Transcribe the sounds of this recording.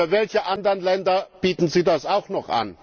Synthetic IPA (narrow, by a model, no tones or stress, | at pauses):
ɐvɛlçəʔandəʁənlɛndɐb̥iːtn̩ziːdasaʊxnɔχʔa̰n